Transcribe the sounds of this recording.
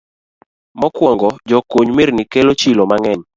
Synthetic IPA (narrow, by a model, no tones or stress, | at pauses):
mɔkwɔŋɡɔd͡ʒɔkoɲmeɾnikelot͡ʃilomaŋɛɲ